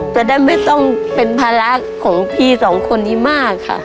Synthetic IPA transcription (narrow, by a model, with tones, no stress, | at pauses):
k̪ɛː˧˩da˥˩ma˥˩jt̪ɔ˥˩ŋpe˧npʰaː˧la˦˥kʰːɔː˩˦ŋpʰiː˧˩sɔː˩˦ŋkʰo˧nːiː˧˥˩maː˥˩kʰːa̰˥˩